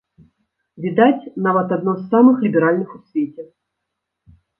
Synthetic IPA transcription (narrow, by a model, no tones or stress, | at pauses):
vʲid̪at͡sʲnavɐt̪ad̪nɔsːamɨxlʲibʲɛɾalʲnɨxusʲvʲet͡sʲɛ